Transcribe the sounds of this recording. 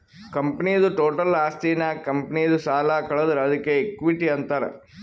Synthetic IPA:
kɐmpɐnijɐd̪uʈoːʈɐlaːst̪iːnɐkɐmpɐnijɐd̪usaːlakɐɭɐd̪ɐɾɐd̪ɐkːeːkʋiʈiɐnt̪aːɾḛ

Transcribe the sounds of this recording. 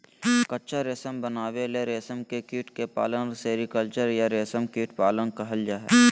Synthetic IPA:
kətːʃʰaɾeːsəmbənaːweleɾeːsəmkekiːʈkepa̰ːlənseɾikəlt͡ʃəɾjaɾeːsəmkiːʈpaːlənkɐɦəld͡ʒaːɦɛ̰ː

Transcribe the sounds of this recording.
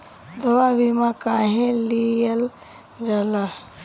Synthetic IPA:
d̪əwabimãkaɦẽlijəl | ɾəla

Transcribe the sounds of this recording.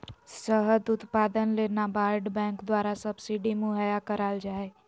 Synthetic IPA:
səɦəd̪ʊt̪paːd̪ənlenabaːɾɖbɛ̃ːŋkd̪waːɾasəbsiɖimuɦəjakəɾaːld͡ʒaːe

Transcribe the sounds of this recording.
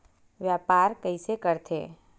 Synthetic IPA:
ʋjaːpaːɾkəisekəɾt̪ʰḛː

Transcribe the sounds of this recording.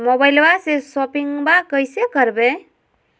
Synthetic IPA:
mobajlbasesɔpiŋɡbakəjsekəɾbe

